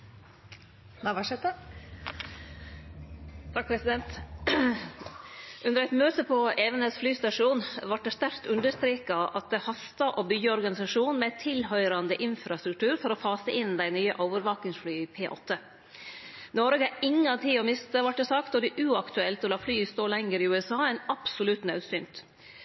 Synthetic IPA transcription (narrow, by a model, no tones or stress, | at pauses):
nɑʋɑʂɛt̪ə | t̪ʰɑk̚pʰɾɛsɪd̪ɛnt̪ | ʔʉnd̪əɾæɪt̪møːt̪əpʰɔʔeːʋənəsflyːst̪ɑʂuːnʋɑʈ̚d̪ɛst̪æɾkt̪ʉnd̪əst̪ɾeːkɑʔɑt̪̚d̪ɛhɑst̪ɑʔobʏɡəɔɾɡɑnɪsɑʂuːnmɛt̪ʰɪlhœʏɾɑnd̪əʔɪnfɾɑst̪ɾʉk̚t̪ʰʉːɾfɔɾɔfɑːsəʔɪnd̪æɪnyːə̰ʔoʊʋəɾʋɑːkɪŋsflyːɪpʰeːʔɔ̰t̪ʰːə | nɔɾɡəɪŋɑt̪ʰiːɔmɪst̪əʋɑʈ̚dɛsɑkt̪ɔɖɛʔʉːɑkt̪ʉɛlt̪ɔlɑːflyːst̪oːlɛŋəɾɪʉːɛsɑːæɪnɑpsʊlʉt̪nɑʉsyːnt̪